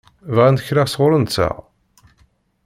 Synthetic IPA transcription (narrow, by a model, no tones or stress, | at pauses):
vʁænd̪əçɾaʁsʁʊɾənsæ̰ʁ